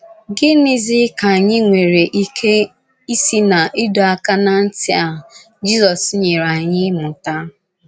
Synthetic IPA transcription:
ɡɪ˦nɪ˦zɪ˦ka˨ɲɪ˦ŋʷe˨ɾe˨ʔi˦kʰe˦ | i˦si˦na˨ʔɪ˦do˨a˨ka˦na˦˨n̩˦tɪ˦a˨ | d͡ʒi˦zɔ˨sɲe˨ɾa˨ɲɪ˦mʊ˨ta˦

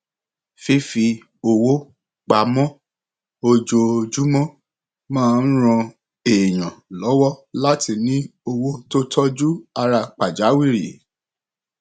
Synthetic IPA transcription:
fi˧˦fi˧ | o˧wo˦ | k͡pa˨mɔ̃˦ | o˧d͡ʒo˧o˧d͡ʒu˦mɔ̃˦ | mãː˦˧n̩˦ɾ̃ɔ̃˧ | e˨j̃ã˨lɔ˨˦wɔ˦la˦ti˧nĩ˦o˧wo˦to˦tʰɔ˦d͡ʒu˦a˧ɾa˧k͡pa˨d͡ʒa˨˦wi˦˨ɾḭ˨

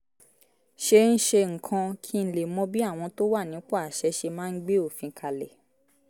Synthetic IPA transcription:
ʃe˧n̩˦ʃe˧ŋ̩˨kʰã˧kʰi˦n̩˦˧le˨mɔ̃˦bi˦a˦˨w̃ɔ̃˧to˦wa˦˨nĩ˨˦k͡pɔ˦a˨ʃɛ˨˦ʃe˧mãː˦˧n̩˦ɡ͡be˦o˦˨fĩ˧kʰa˧lɛ˨

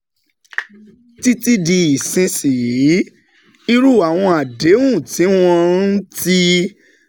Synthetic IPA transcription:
ti˦ti˧di˧i˨sĩ˧si˨˦ | i˦ɾu˦˨a˨w̃ɔ̃˧a˨de˨˦wũ˦˨ti˨˦w̃ɔ̃˧n̩˦ti˦

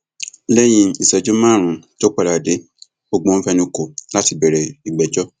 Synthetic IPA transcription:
lɛ˦j̃ĩ˧i˨sɛ˨d͡ʒo˦mãː˦˨ɾ̃ũ˨ | d͡ʒo˦k͡pa˧ɾa˨de˨˦ | o˧ɡ͡bõ˧n̩˦fɛ˧nĩ˧ko˨la˦ti˧bɛ˨ɾɛ˨i˨ɡ͡bɛ˨d͡ʒɔ˦

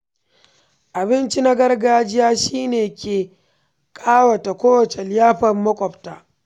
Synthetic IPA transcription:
ʔa˨bɪ˦nt͡ʃi˦na˦ɡɐ˦rɡaː˦d͡ʒɪ˦jaː˦ʃiː˦neː˨kʲeː˨ | kʼaː˦wɐ˨ta˨kʷoː˦wɐ˨t͡ʃe˨lɪ˦jaː˦ɸɐ˨mːɐ˦kʷʼɔ˨ɸtaː˨ʔ

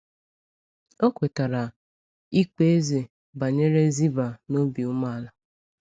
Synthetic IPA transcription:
o˦kʷe˨ta˨ɾa˨ | i˦k͡pe˦e˦ze˨ | ba˨ɲe˦ɾe˦zi˦ba˨no˦bi˨ʊ˦ma˦˨la˨

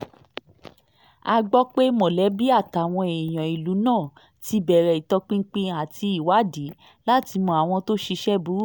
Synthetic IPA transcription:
a˧ɡ͡bɔ˦k͡pe˦mɔ̃˨lɛ˨˦bi˦a˦˨ta˨w̃ɔ̃˧e˨j̃ɔ̃˨i˨lu˨˦nãː˦˨ | ti˧bɛ˨ɾɛ˨i˨tɔ˧k͡pĩ˦ŋ̩˦k͡pĩ˧a˨ti˧i˨wa˨˦di˨˦ | la˦ti˧mɔ̃˧a˨w̃ɔ̃˧to˦ʃi˧ʃɛ˦bu˨˦

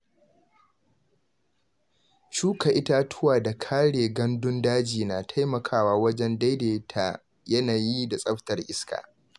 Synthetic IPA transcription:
t͡ʃuː˦ka˨ʔɪ˦ta˦tʰʊ˦waː˨da˨kʰaː˦ɽeː˨ɡɐ˦ndʊ˦ndaː˦d͡ʒiː˨naː˨tʰa˦jmɐ˨kʰaː˦waː˦wɐ˦d͡ʒɛ˦nda˦jdeː˨tʰa˨ | jɐ˦naː˨ji˦da˨sʼɐ˦ɸtɐ˨rʔɪ˦ska̰ː˨

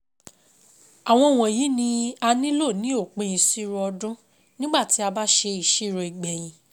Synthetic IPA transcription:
a˨w̃ɔ̃˧˨w̃ɔ̃˨ji˨˦nĩ˧a˧nĩ˦lo˦˨nĩ˨˦o˦˨k͡pĩ˧ĩ˧si˦ɾɔ˧dũ˦ | nĩ˦ɡ͡ba˦˨ti˨˦a˧ba˦ʃe˧i˨ʃi˦˨ɾe˧i˨ɡ͡bɛ˨j̃ĩ˨˦

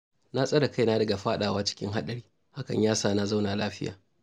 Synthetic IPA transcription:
na˦sʼɐ˦da˨ka˦jnaː˦dɐ˨ɡa˨ɸaː˦ɗaː˨waː˦t͡ʃɪ̥˦kʲɪ̰˦ŋɦa˦ɗɐ˨ɽiː˦ | ha˦kɐ̰˨ɲjaː˦saː˦˨na˦za˦wnaː˨laː˦ɸɪ˦ja̰ː˨

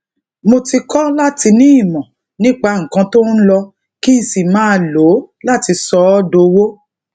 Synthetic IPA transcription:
mo˧ti˧kɔ˦la˦ti˧nĩ˦i˦˨mɔ̃˨ | nĩ˦k͡pa˧ŋ̩˨kã˧to˦n̩˦lɔ˧ | ki˦n̩˨si˨mãː˨˦lo˨˦la˦˨ti˧sɔ˧˦do˧wo˦

